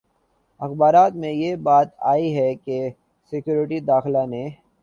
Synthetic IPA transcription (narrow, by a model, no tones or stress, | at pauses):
ɐxbaːɾaːt̪mẽjebaːt̪aːiɦɛke | sɪkjuːɾɪʈid̪aːxlane